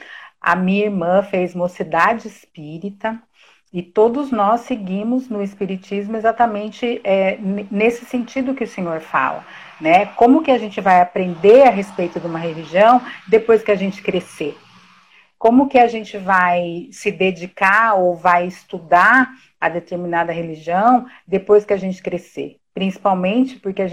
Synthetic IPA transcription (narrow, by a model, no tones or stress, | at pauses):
ɐ̰mĩɲɐiɾmɐ̃fezmosid̪ad͡ʒɪɪspiɾit̪ɐ | ɪt̪od̪ʊznɔsɪɡĩmʊznʊɪspiɾit͡ʃizmʊezat̪ɐmẽnt͡ʃɪɛnnesɪsẽnt͡ʃid̪ʊkɪʊsẽɲoɾfa̰lɐ̰ | nɛkõmʊkɪaʒẽnt͡ʃɪvajapɾẽnd̪eɾɐɦespejt̪ʊd̪ɪũmɐɦeliʒiɐ̃w̃d̪epojskɪaʒẽnt͡ʃɪ̥kɾese | kõmʊkɪaʒẽnt͡ʃɪvajsɪd̪ed͡ʒikaowvajɪst̪ud̪a | ɐd̪et̪eɾminad̪ɐɦeliʒiɐ̃w̃d̪epojskɪaʒẽnt͡ʃɪ̥kɾesḛ | pɾĩsi̥pawmẽnt͡ʃɪ̥pʊɾkeaʒ